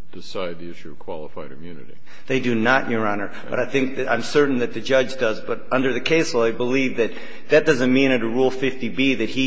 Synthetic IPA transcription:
d̥ɨsaɪd̪̚ðiɪʃʉʌv̥kʰw̥ɑlˠəfaɪɾɨmjʉnɨ̰ɾḭ | ðeɪdɨnəʔjə˞ɑnə˞b̥ʌɾaɪθɪ̃ŋk̚ðɨã̰ɪ̃msɜ˞ʔn̩ðɨt̪̚ðɨd͡ʒʌd͡ʒdʌzbʌɾʌ̃ndə˞ðɨkʰeɪsl̩ˠaɪbəlivðɨt̪̚ | ðɨt̚d̥ʌzɨ̃nmĩɾ̃ɨɾɨɹulˠfɪftibiðɨt̚hi

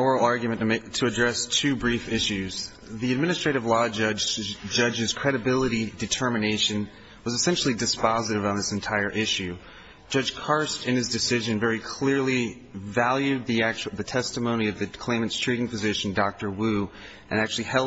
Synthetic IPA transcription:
ɔɹl̩ˠɑɹɡjmɨ̃nmɪtʰɨɨdɹɛstʰʉbɹifɪʃʉz̥ | ðiɨd̚mɪ̃ñɨstɹ̥eɪɾɨvlɔd͡ʒʌd͡ʒd͡ʒʌd͡ʒɨz̥kʰɹ̥ɛɾɨbɪlˠəɾidɨtʰɜ˞mɨneɪʃɨ̃n | wʌzɨsɛ̃nʃl̩ˠidɨspɑzɨɾɨvn̩ðɪsɨ̃n̩tʰaɪə˞ʔɪʃʉ̥ | d͡ʒ̥ʌ̥ʒ̥kʰɑɹstɨ̃nɨzdɨsɪʒɨ̃nvɛɹikʰl̥ɪɹli | vælˠjʉd̪̚ðiæk̚t͡ʃðɨtʰɛstəmõʊ̃ñiʌvðɨkʰl̥ẽɪ̃mɨ̃ntstʰɹ̥iɾɪ̃ŋpɨzɪʃn̩dɑk̚tə˞wʉ | ʔɨ̃næk̚t͡ʃʉl̩ˠihɛlˠ

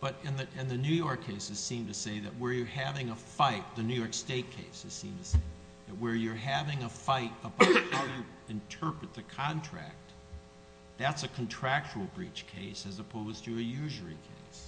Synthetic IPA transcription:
b̥ʌɾɨ̃nðɨɨ̃nðɨnʉjɔɹkʰeɪsɨz̥sĩmtɨseɪðɨt̚wə˞jə˞hævɪ̃ŋəfaɪt̪̚ðɨnʉjɔɹksteɪt̚kʰeɪsɨz̥sḭ̃mtʰɨseɪ | ðɨt̚wə˞jə˞ɦævɪ̃ŋəfaɪɾəbaʊt̚haʊjɨ | ɨ̃ntʰɜ˞pɹɨt̪̚ðɨkʰɑ̃ntʰɹ̥æ̰k̚t̪̚ | ðætsɨkʰn̩tʰɹ̥æk̚t͡ʃul̩ˠbɹit͡ʃkʰeɪsɨzəpʰoʊz̥tʰɨːjʉʒə˞ḭkʰeɪs

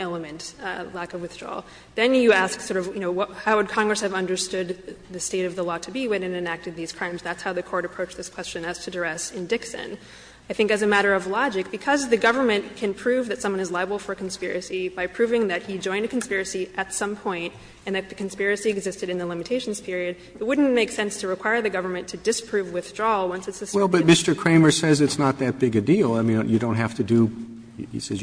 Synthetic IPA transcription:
ɛlˠəmɨ̃ntlækʌvwɨθdɹɔ̰lˠ | ðɨ̃njɨæsksɔɹɾʌvjɨñoʊwʌt̚haʊwɨd̚kʰɑ̃ŋɡɹɨshɨvʌ̃ndə˞stʊd̪̚ðɨsteɪɾʌvðəlɔɾʰɨbiwɪɾɨ̃nɨ̃næk̚tɨd̪̚ðiz̥kʰɹ̥ãɪ̃mzðætshaʊðɨkʰɔɹɾɨpʰɹ̥oʊt͡ʃðɪskʰw̥ɛst͡ʃɨ̃nɨz̥tʰɨdə˞ɛsɨ̃ndɪksɨ̰̃n | aɪθɪ̃ŋkɨzɨmæɾə˞ʌvlɑd͡ʒɨk̚b̥ɨkʰʌzðɨɡʌvə˞mɨ̃nkʰɨ̃npʰɹ̥ʉvðɨtsʌ̃mwʌ̃ñɨzlaɪəbl̩ˠfə˞kʰn̩spɪɹɨsibaɪpʰɹ̥ʉvɪ̃ŋðɨt̚hid͡ʒɔ̃ɪ̃ndɨkʰn̩spɪɹɨsiʔɨtsʌ̃mpʰɔ̃ɪ̃nt | ɨ̃nðɨt̪̚ðɨkʰn̩spɪɹɨsiɨɡzɪstɨɾɨ̃nðəlɪ̃mɨtʰeɪʃn̩z̥pʰɪɹiɨd̚ | ɨt̚wʊdⁿn̩meɪksɛ̃nstʰɨɹɨkʰw̥aɪə˞ðɨɡʌvə˞mɨ̃ntʰɨdɨspʰɹ̥ʉvwɨθd̥ɹɔwʌ̃nsɨtsɨswɛlˠbʌt̚mɪstə˞kʰɹ̥ẽɪ̃mə˞sɛzɨtsnət̪̚ðɨt̚b̥ɪɡɨdilˠaɪmĩnjɨdõʊ̃ntɦæftɨdɨ | ḭsɛz

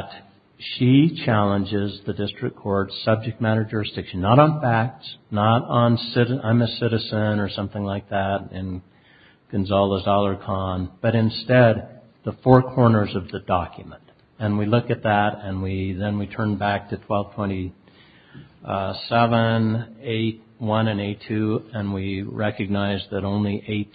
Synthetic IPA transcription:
t | ʃit͡ʃʰælˠə̃nd͡ʒɪzðɨdɪstɹ̥ɨkʰɔɹdsʌb̚d͡ʒɨk̚mæɾ̃ə˞d͡ʒəɹɨsd̥ɪkʃɨ̃n̩ːəɾn̩fæk̚tsnəɾn̩sɪɾã̰ɪ̃mɨsɪɾɨzɨ̃nə˞sʌ̃mθɪ̃ŋlaɪk̚ðæɾɪ̃n | ɡ̥ɨ̃nzɔlˠəzɑlˠə˞kʰɑ̃nb̥ʌɾɨ̃nstɛd̪̚ | ðəfɔɹkʰɔɹnə˞zʌvðɨdɑkjɨmə̃nt | ɨ̃nwilʊkɨt̪̚ðæɾɨ̃nwiðɨ̃nwitʰɜ̃˞nbæk̚tʰɨtʰw̥ɛlˠv̥tʰw̥ɛ̃ɾ̃i | sɛvə̃neɪt̚ | wʌ̃nɨ̃neɪtʰʉɨ̃nwiɹɛkɨɡ̚naɪzðɨɾõʊ̃nliʔeɪt̚

